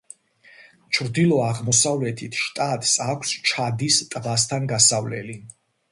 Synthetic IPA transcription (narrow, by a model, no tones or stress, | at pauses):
t͡ʃʰɾd̪ilˠɔaʁmɔsavlɛt̪ʰit̪ʰʃt̪ʼat̪ʼsakʷʰst͡ʃʰad̪ist̪ʼvast̪ʰanɡasavlɛ̰li